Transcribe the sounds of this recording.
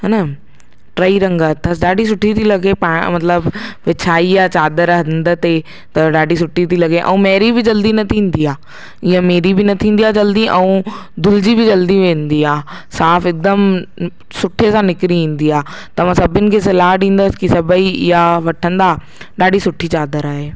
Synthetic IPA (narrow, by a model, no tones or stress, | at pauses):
ɦɐnə | ʈɾaːiɾɐ̃ŋɡət̪ʰɐsɗaːɖʱis̬ʊʈʰit̪ʰilɐɡepãːmɐt̪ləbʋɪt͡ɕʰaːiaːt͡ɕaːd̪əɾɦɐnd̪ət̪e | t̪ɐɗaːɖis̬ʊʈʰːit̪ilɐɡeʔɛ̰̃ũmɛːɾibɪd͡ʑɐld̪inɐt̪ʰĩːn̆d̪iaː | ɪɦãmeːɾibɪnɐt̪ʰĩːnd̪ijad͡ʑɐld̪iʔɛ̃ũd̪ʱʊlɪd͡ʑibɪd͡ʑɐld̪iʋẽːnd̪iaːsaːfɪk̚d̪əm | sʊʈʰesãnɪkɪɾiĩːn̆d̪iaː | t̪ɐʋ̤ãsɐbʱɪnɪ̆kʰeːs̬ɪlaːɦɖĩːn̆d̪əskisɐbʱəiɪɦaʋɐʈʰə̃nd̪aː | ɗaːɖisʊʈʰit͡ɕaːd̪əɾaːɦeː